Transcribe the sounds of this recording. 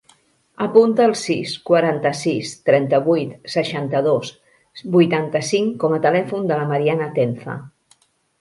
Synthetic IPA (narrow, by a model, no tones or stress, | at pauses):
əpunt̪əːlˠsiskwəɾant̪əsist̪ɾɛnt̪əβujt̪səʃant̪əðos | bujt̪ant̪əsiŋkɔmət̪əlɛfund̪ələməɾianət̪eɱfə̰